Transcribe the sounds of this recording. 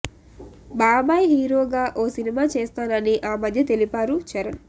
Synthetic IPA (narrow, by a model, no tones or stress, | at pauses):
baːbaːjɦiːɾoːɡaːʔoːsinimaːt͡ʃeːst̪aːnɐniʔaːmɐd̪ʱjɐt̪e̞lipaːɾut͡ʃɐɾɐn